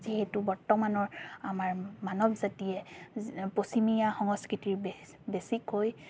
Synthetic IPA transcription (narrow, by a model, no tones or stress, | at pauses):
ziɦɛtubɔɹtɔmanɔɹamaɹmanɔbzatijɛ | posimijaxɔŋɔskɹitiɹbe | besikoj